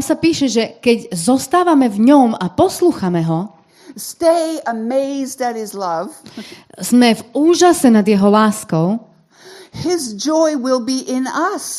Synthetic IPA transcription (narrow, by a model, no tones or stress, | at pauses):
amsapiːʃɛʒɛkɛɟzɔst̪aːʋamɛvɲɔmapɔsluːxamɛɦɔ | steɪəmeɪzdɨt̚hɪzlʌv̥z̥mɛvuːʒasɛnad̪jɛɦɔlaːskɔʊ | hɪzd͡ʒɔɪwɪlˠbiʔɪ̃nʌs